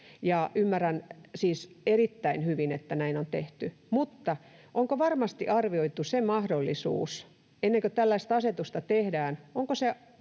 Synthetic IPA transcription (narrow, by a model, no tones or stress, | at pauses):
jɑymːærænsiːs | erit̪ːæinhyʋinet̪ːænæinont̪eht̪y | mut̪ːɑʔoŋkoʋɑrmɑst̪iʔɑrʋioit̪ːusemɑhdolːisṵːs | enːeŋkøt̪ælːæist̪ɑset̪ust̪ɑt̪ehdæːnoŋkose